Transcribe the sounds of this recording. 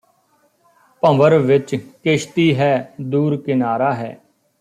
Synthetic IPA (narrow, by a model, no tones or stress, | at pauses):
pə̃ʋəɾʋɪt͡ʃkɪʃt̪iːɦɛːd̪uːɾkɪnaːɾaːɦɛ̰ː